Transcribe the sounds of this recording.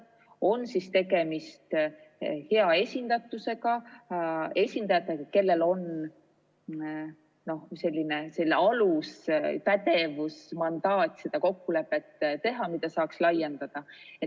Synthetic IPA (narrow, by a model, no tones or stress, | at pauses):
o̞nːsist̪e̞ɡe̞mist̪ | he̞ɑe̞sʲind̪̥ɑt̪ːˑuse̞ɡɑ | e̞sʲind̪̥ɑjɑt̪ːˑe̞kɑke̞lːe̞lo̞n | no̞hse̞lʲːine̞se̞lːeɑluspæt̪e̞vusmɑnd̪̥ɑːt̪ʲse̞d̪̥ɑko̞kːule̞pːe̞t̪ːˑt̪ːe̞ɦɑmid̪̥ɑsɑːkslɑjːe̞nd̪̥ɑd̪̥ɑet̪ː